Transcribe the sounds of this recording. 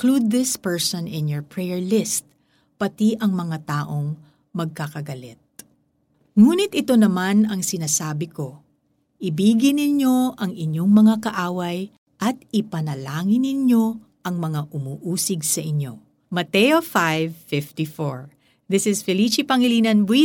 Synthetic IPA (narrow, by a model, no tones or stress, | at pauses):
klud̪̚ːɪspɛɹsɔ̃nɪ̃njoɹpɹɛjɛɹlɪst̪̚ | pɐt̪iʔɐŋmɐŋat̪aːʔoŋ | mɐɡ̚kakɐɡɐlɛt̪̚ | ŋuːnɪt̪ʔɪt̪o̞nɐmanɐŋsɪnasaːbɪko̞ | ʔɪbiːɡɪnɪɲjo̞ʔɐŋɪɲjo̞ŋmɐŋakɐʔaːwɐj | ʔɐt̪̚ɪpɐnɐlaːŋɪnɪɲjo̞ | ʔɐŋmɐŋaʔʊmuːʔuːsɪɡsɐʔɪɲo̞̰ | mɐt̪ɛjofajvfɪft̪ifoɹ | ðɪsɪsfɛlit͡ʃipɐŋɪliːnɐnbwi